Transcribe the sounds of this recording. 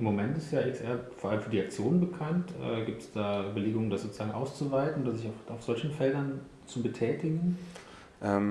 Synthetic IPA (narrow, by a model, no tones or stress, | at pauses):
ʔɪmːomɛntɪstjaːʔɪksʔɛɐfoːɐʔaləmfyːɐdiak̚t͡sjoːnənbəkʰantʔɛ̰ːɡiːp̚tsd̥aːʔybɐleːɡʊŋəndasz̥oːt͡suz̥aːɡŋʔaʊst͡suvaɪtn̩odɐzɪçafaʊfz̥ɔlçn̩fɛldɐn | t͡subətʰɛːtɪɡŋ̩ | ʔɛm